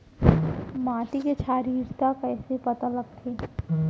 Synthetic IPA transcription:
maːʈ̪iket͡ʃʰaːɾiːɾt̪akɛːsepɐt̪aləɡ̚t̪ʰeː

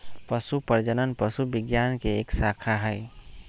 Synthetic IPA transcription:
pəsupəɾd͡ʒənənpəsubɪɡjankeːksakʰaɦəɪ

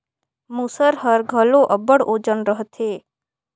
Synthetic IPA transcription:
musəɾɦəɾɡʱəloʔəbəɽod͡ʒənɾəɦt̪ʰe

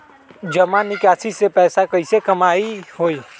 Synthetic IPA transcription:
d͡ʒəmanɪkasisepɛːsakəɪsekəmaihoi

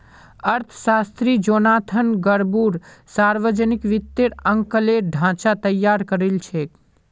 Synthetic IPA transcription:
əɾt̪ʰʃast̪ɾid͡ʒonaːt̪ʰənɡəɾbuɾsaɾʋəd͡ʒənɪkʋɪt̪ːeɽəŋkəleɖʱãːt͡ʃat̪əjːaɾkəɾelt͡ʃʰe

